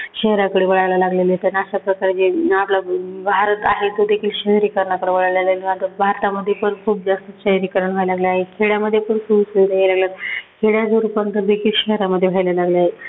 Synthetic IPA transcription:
ɕəɦɾakəɽeʋəɭajlalaɡleləɦet̪aniaɕapɾəkaɾed͡ʑeaplabʱaɾət̪a̰ɦet̪od̪ekʰiːlɕəɦɾiːkəɾɳakəɽeʋəɭajlaləlant̪əbʱaɾt̪aməd̪ʱːjepəɳkʰuːp̚d͡zast̪əɕəɦɾikəɾəɳʋ̤ʱajlaɡljaɦekʰeɽjaməd̪ʱːjepəɳkʰuːbsəɾajelaɡljat̪kʰeɽjasəɾupənt̪əɾd̪ekʰiːlɕəɦɾaməd̪ʱːjeʋ̤ʱajlalaɡleaɦe

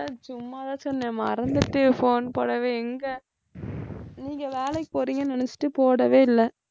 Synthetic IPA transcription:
t͡ʃʊmːaːt̪ãːt͡ʃɔnːɛmɐɾɐnd̪ɯʈːɯfoːnpo̰ːɽɐʋeːɛŋɡɐ | niːŋɡɐʋeːlɐɪkpoːɾiːŋɡɐnɛnɛt͡ʃːɪ̥ʈːɯpoːɽɐʋeːɪlːɛ

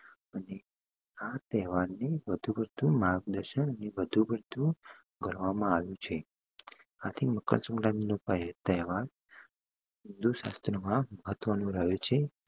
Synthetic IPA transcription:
əne | at̪ɛɦʋaɾneʋəd̪ʱubəɾd̪ʱũmaɡ̚d̪əɾʃənəneʋəd̪ʱubəɾd̪ʱũ | ɡʱəɾʋamãaʋjũt͡ʃʰe | at̪ʰiməkə̰nsə̃ŋɡlaminopət̪ɛɦʋaɾ | ɪnd̪uʃa̰st̪ɾəmãməɦət̪ʋənũɾəɦot͡ʃʰe

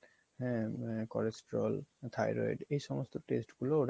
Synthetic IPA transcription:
ɦɛ̃kɔlesʈɾolt̪ʰajɾo̰iɖejʃɔmost̪oʈesʈɡuloɾ

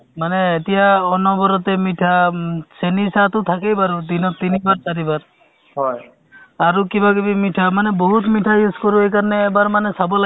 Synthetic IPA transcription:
manɛetijaɔnɔbɔɾɔt̪ɛmiʈʰasenisat̪ʊt̪ʰakejbaɹud̪inɔt̪inibaɹt̪aɾibaɹ | ɦɔj | aɹukibaɡibimiʈʰamanɛboɦut̪miʈʰajuskoɹuejkaɹnɛːbaɹmanɛsabɔla

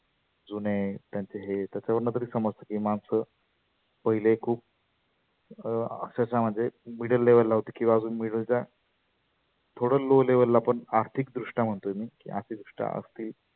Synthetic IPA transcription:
d͡zunet̪jaɲt͡ɕeɦet̪jat͡ɕaʋəɾnət̪̬əɾiːsəməd͡zt̪əkiːmansə | pəɦilekʰuːp̚ | ə̰kɕasam̤əɳd͡zemiɽəlːeʋəlːaɦot̪ekĩw̃ʋaəd͡zuːnmiɽəlt͡ɕja | t̪ʰoɽəloleʋəllapəɳaɾt̪ʰikd̪ɾuʂʈam̤əɳt̪oemiːkḭʔa̰ɾsiːd̪ɾuʂʈa̰ʔə̰st̪iːl

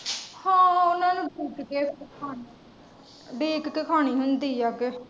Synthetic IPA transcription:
hãːʊnãːnũːɖiːkkeːkʰaːni | ɖiːkkekʰaːñiːɦʊnd̪iːaːke

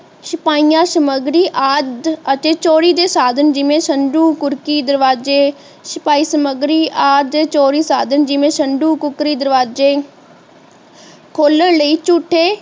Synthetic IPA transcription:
ʃɪpaːiːjãːsəməɡɾiːʔaːd̪ət̪eːt͡ʃoːɾiːd̪eːsaːd̪ənd͡ʒɪʋẽːsəɳɖũːkʊɾkiːd̪əɾʋaːd͡ʒeː | sɪpaːiːsəməɡɾiːʔaːd̪eːt͡ʃoːɾiːsaːd̪ənd͡ʒɪʋẽːsəɳɖũːkʊkɾiːd̪əɾʋaːd͡ʒeː | kʰoːləɳləiːt͡ʃuːʈʰːeː

